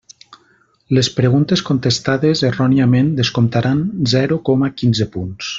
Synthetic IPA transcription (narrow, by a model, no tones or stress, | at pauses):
lespɾeɣunt̪eskont̪est̪aðezerɔniamẽnd̪eskomt̪aɾʔanzɛɾukɔmakinzepuns